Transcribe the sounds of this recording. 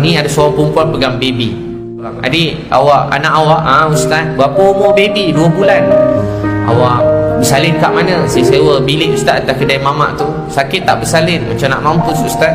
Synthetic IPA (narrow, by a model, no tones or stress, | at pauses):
niadasaaŋpumpuanpəɡambebi | aŋa̰dia̰waʔa̰naʔawaʔaust̪at̪̚bapəumobebiduəbulan | a̰waʔbəsalɪnkaʔmanə̃səsewəbilɪʔust̪at̪t̪akədajmama̰ʔt̪u | sakɪt̪ːaʔbəsalɪnmat͡ʃamna̰ʔmampʊsust̪at̪